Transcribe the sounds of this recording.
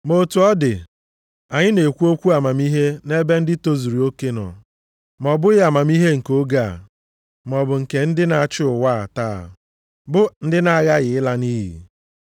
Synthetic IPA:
mo˨tu˨ɔ˦dɪ˨ | a˨ɲɪ˦ne˨kʷu˦o˦kʷu˦a˨ma˨mi˦ɦe˦ne˦be˦n̩˦dɪ˦to˦zu˨ɾi˨o˦ke˦nɔ̰˨ | mɔ˨bʊ˦ɪ˦a˨ma˨mi˦ɦe˦ŋ̩˨ko˦ɡa̰˨ | mɔ˨bʊ˨ŋ̩˨ke˨n̩˦dɪ˦na˨a˨t͡ʃɪ˦ʊ˨wa˦a̰˨ta̰˦˨ | bʊ˦n̩˦dɪ˦na˦ɣa˦ɣɪ˨ɪ˦la˦ni˦ɦḭ˨

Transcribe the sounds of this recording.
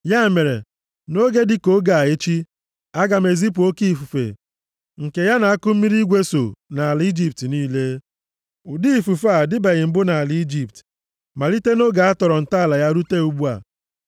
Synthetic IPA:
ja˦˨me˨ɾḛ˨ | no˦ɡe˦dɪ˦ko˦ɡa˨a˨e˦t͡ʃi˦ | a˦ɡa˨me˨zi˦p̬u˨o˦ki˦˨fu˨fḛ˨ | ŋ̩˨ke˨ja˦na˨a˦kʊ˦m̩˦mi˦ɾi˦ɡʷe˦so̰˨na˨a˨li˦d͡ʒi˦p̚tniː˦le˦ | ʊ˨di˦˨fu˨fa˨dɪ˦be˨ɣɪ˨m̩˨bʊ˦na˨a˨li˨˦i˦d͡ʒi˦p̚t | ma˨li˦te˦no˦ɡa˨a˦tɔ˨ɾɔ˨n̩˨ta˦a˨la˨ja˦ɾu˦te˦u˨bu˦a̰˨

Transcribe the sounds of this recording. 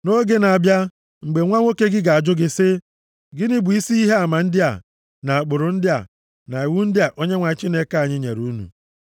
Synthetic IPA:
no˦ɡe˦na˨a˨bja˦ | ŋ͡m̩˨ɡ͡be˨ŋʷa˦ŋʷo˦ke˦ɡɪ˦ɡa˨a˨d͡ʒʊ˦ɡɪ˦sɪ˦ | ɡɪ˦nɪ˦bʊ˨i˦si˦i˦ɦe˦a˨ma˨n̩˦dɪ˦a̰˨ | na˨a˨k͡pʊ˨ɾʊ˨n̩˦dɪ˦a̰˨ | na˨i˨wu˦n̩˦dɪ˦a˨ʔo˦ɲe˦ŋʷa˨˦t͡ʃi˦ne˦ka˦˨ɲɪ˦ɲḛ˨ɾu˦nṵ˨

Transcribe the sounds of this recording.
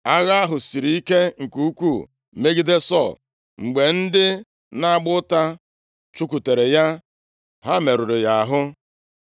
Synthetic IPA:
a˦ɣa˦a˦ɦʊ˨si˨ɾi˨˦i˦ke˦ŋ̩˨ku˦u˦kʷu˦˨ | me˦ɡi˦de˦sɔ˦˨l | ŋ͡m̩˨ɡ͡be˨n̩˦dɪ˦ | na˦a˦ɡ͡bʊ˦ta˦ | t͡ʃu˦k̬u˨te˨ɾe˨ja˦ | ɦa˦me˨ɾʊ˨ɾɪ˨ja˨a˨ɦʊ˦

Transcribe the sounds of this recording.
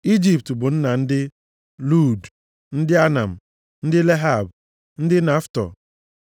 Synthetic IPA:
i˦d͡ʒi˨p̚tbʊ˨n̩˦na˨n̩˦dɪ˦ | lu˦˨d | n̩˦dɪ˦a˦na̰˨m̩˨ | n̩˦dɪ˦le˦ɦa˦˨b | n̩˦dɪ˦na˦ftɔ̰˨

